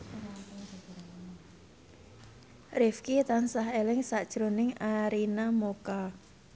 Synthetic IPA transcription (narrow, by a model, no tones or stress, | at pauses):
rɪfkit̪ansaɦelɪŋsaʔd̥ʒ̥ɾonɪŋaɾinamoka